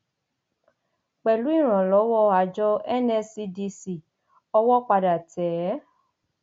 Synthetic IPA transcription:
k͡pɛ˨lu˨˦i˦˨ɾ̃ã˨lɔ˨˦wɔ˦a˨˦d͡ʒɔ˦ɛ˦nɛ˧si˧di˧si˨ | ɔ˧wɔ˦k͡pa˧da˨tɛː˨˦

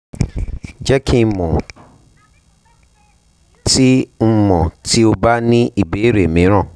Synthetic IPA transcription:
d͡ʒɛ˦kʰĩ˧mɔ̃˨ | ti˦m̩˦˧mɔ̃˨ti˦o˧ba˦nĩ˦ʔi˦˨be˨˦ɾe˨mĩ˨˦ɾ̃ã˦˨

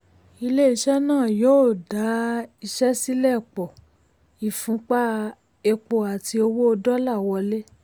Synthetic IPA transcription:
i˧le˦i˧ʃɛ˦nãː˦˨joː˨˦˨da˨˦i˧ʃɛ˦si˦lɛ˦˨k͡pɔ˨ | i˨fũ˨˦k͡pa˦ | e˧k͡po˨a˨ti˧o˧wo˦o˧dɔ˦la˦˨wɔ˧le˦

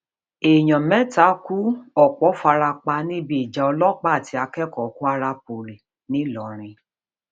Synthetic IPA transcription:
e˨j̃ɔ̃˨mɛ̃˨˦ta˨˦ku˦ɔ˦˨k͡pɔ˨˦fa˧ɾa˧k͡pa˧nĩ˦bi˦i˨d͡ʒa˨ɔ˧lɔ˦k͡pa˦˨ti˨˧a˧kɛ˦kɔ˨ku˦a˧ɾa˧po˨ɾi˨ | nĩ˨˦lɔ˨ɾ̃ĩ˧

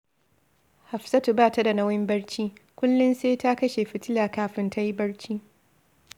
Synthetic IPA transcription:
ha˨ɸsɐ˦tu˨baː˦˨ta˦da˨nɐ˦wɪ˦mbɐ˦ɽt͡ʃiː˦kʷʊ˦lːʊ˦nseː˦ta˦kɐ˦ʃe˨ɸɪ˦tɪ˦laː˨kaː˦ɸɪ˦ntʰa˦ji˦bɐ˦ɽt͡ʃiː˦

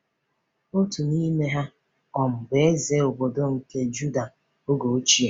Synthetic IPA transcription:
o˦tu˨ni˦me˦ɦa˦ | ɔ˨m̩˨be˨e˦ze˦o˨bo˨do˦ŋ̩˨ke˦d͡ʒu˦da˨ | o˦ɡo˨o˦t͡ʃi˦e˨

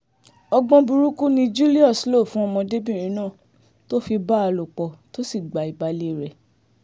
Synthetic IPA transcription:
ɔ˧ɡ͡bɔ̃˧bu˧ɾu˦ku˦nĩ˧d͡ʒu˦li˦ɔ˦˨slo˦˨fũ˦ɔ˧mɔ̃˧de˦bĩ˦˨ɾ̃ĩ˨˦nãː˦˨ | to˦fi˧ba˦a˧lo˨k͡pɔ˨to˦si˦˨ɡ͡ba˨i˨ba˨le˨˦˨ɾɛ˨

